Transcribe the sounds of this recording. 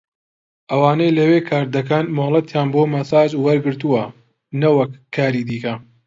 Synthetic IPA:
ʔɐwaːnejlɐweːkʰaːɾd̪ɐkaːnmolˠɐt̪jaːnboːmɐsaːd͡ʒwɐɾɡɨɾt̪uwɐ | nɐwɐkːaːɾiːd̪iːkɐ

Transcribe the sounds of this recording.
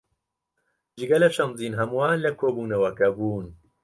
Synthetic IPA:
d͡ʒiɡɐlɐʃɐnziːnɦɐmuwaːnlɐkʰoːbuːnɐwɐkɐbuːn

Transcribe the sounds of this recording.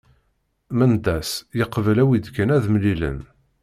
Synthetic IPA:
mənd̪æsjəqːvəlæwid̪kənæðmlilə̰n

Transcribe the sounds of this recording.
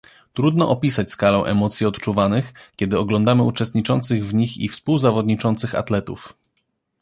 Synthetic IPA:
t̪ɾud̪nɔʔɔpʲisat͡ɕʲskalɛ̃ʔɛ̰mɔt̪sʲjiɔt̪t͡ʂuvanɘxkʲɛd̪ɘɔɡlɔnd̪amɘut͡ʂɛst̪ɲit͡ʂɔnt̪sɘɣvɲixḭfspuwzavɔd̪ɲit͡ʂɔnt̪sɘxa̰t̪lɛt̪ṵf

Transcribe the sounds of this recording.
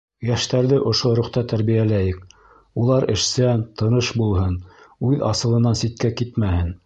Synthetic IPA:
jæʃt̪æɾðɘʔŏʃoɾuχt̪ɑt̪æɾβijælæjɘk̚ | ulˠɑɾɘ̆ʃsænt̪ɤ̆nɤʃbulˠɦɤnʉðɑsɤ̆lˠɤ̆nɑnsit̪̚kækit̪mæhɘn

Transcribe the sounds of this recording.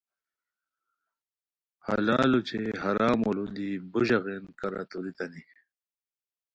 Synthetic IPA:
ha̰laːlut͡ɕʰeɦɐɾaːmolund̪ibuʑɐɣenkɐɾa̰t̪uɾit̪ɐni

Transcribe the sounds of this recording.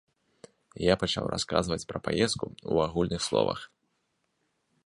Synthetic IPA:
japat͡ʂawraskazvɐt͡sʲpɾɐpajɛst̪̚kuuaɣulʲnɨxslˠɔ̰vɐ̰x

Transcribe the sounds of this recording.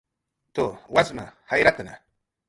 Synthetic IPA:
t̪owasma̰hajɾat̪ana̰

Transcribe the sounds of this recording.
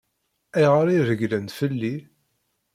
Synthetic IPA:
æjʁəɾiɾəɡlənt̪fəlːi

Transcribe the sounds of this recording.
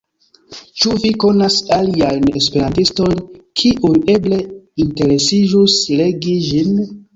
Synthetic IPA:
t͡ʃuviko̞nasaliajne̞spe̞ɾantisto̞jnkʰiʔuje̞ble̞inte̞ɾe̞sid͡ʒusle̞ɡiʒin

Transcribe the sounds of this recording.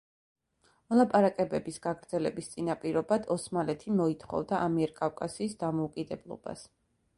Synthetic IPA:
mɔlˠapʼaɾakʼɛbɛbisɡ̥aɡɾd̪zɛlɛbist̪sʼinapʼiɾɔbad̪ɔsmalɛt̪ʰimɔit̪ʰχɔ̰vd̪aʔamiɛɾkʼafkʼasiːsd̪amɔukʼid̪ɛblˠɔ̰b̥a̰s

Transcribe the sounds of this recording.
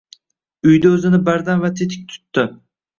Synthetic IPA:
ʊjd̪aɵzɪnɪbaɾd̪anvat̪ʰet̪ʰɪk̚ʲt̪ʰʊ̥t̪ːɪ

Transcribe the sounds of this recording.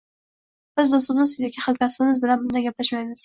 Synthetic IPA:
b̥ɪzd̪ʊst̪ʊnɪsɪzakʲʰɪχɨlˠkʲʰasɪbɪmɪzbɪlanbʊnd̪aɡʲaplaʃmajmɪz̥

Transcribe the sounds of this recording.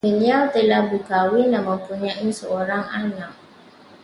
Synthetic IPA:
məniawt̪əlahbukawinaməmpuɲaʔisəoɾaŋanak̚

